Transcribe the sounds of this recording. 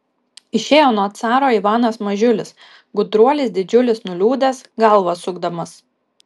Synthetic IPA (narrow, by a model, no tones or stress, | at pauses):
ɪʃʲeːjoːnuɔt̪sɑːɾoːiʋɑːnɐsmɐʒʲʊlʲɪs | ɡʊd̪ɾuɔlʲɪsd̪ʲɪd͡ʒʲʊlʲɪsnʊlʲuːd̪ɐsɡɐlˠʋɐsʊɡd̪ɐmɐs